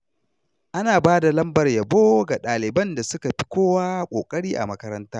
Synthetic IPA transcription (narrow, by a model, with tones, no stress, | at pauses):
ʔa˦naː˨baː˦da˨lɐ˦mbɐ˨rjɐ˨boː˦ɡa˨ɗaː˨lɪ˨bɐ˦nda˨sʊ˦ka˨ɸi˦kʷoː˦waː˦kʷʼoː˨kʼɐ˦ɽiː˦ʔa̰˨mɐ˦kɐ˦ɾɐ˦ntaː˦